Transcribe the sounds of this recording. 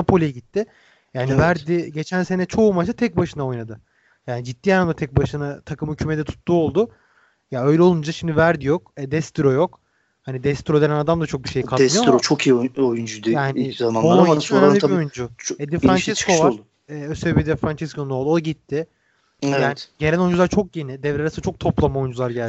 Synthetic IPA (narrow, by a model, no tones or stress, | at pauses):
apolʲijɛɟit̪ʰːɪ | jaːnivæɾd̪ɪɟe̞t͡ʃʰænse̞nɛt͡ʃʰo̞umaʃt̪at̪ʰɛc̚baʃɯnao̞jnad̪ɯ | jaːnid͡ʒit̪ːiːjanamd̪at̪ʰɛc̚baʃɯnat̪ʰakʰɯmhycʰyːmed̪ɛt̪ʰu̥t̪ʰːuo̞lˠd̪ʊ | jaø̞jlʲɛo̞lˠund͡ʒaʃimd̪ivæɾd̪ijokɛd̪ɛst̪iɾo̞jo̞k | hanid̪ɛst̪iɾod̪enænad̪amd̪at͡ʃʰo̞k̚biʃejikʰat̪smɯjoɾot͡ʃʰokʰijiojund͡ʒud̪ijaaːnɪzamanoaiojund͡ʒut͡ʃed̪infɾant͡ʃʰɛsko̞vaɾ | ɛːøseebid̪ɛfɾant͡ʃʰɛskʰo̞nunolˠd̪oɟit̪ʰːɪ | ɛjaːnɟelʲæno̞jund͡ʒulˠaɾt͡ʃʰo̞k̚je̞nid̪ɛvɾɛaɾasnt͡ʃʰk̚t̪ʰo̞plˠamao̞jund͡ʒulˠaɾɟælʲ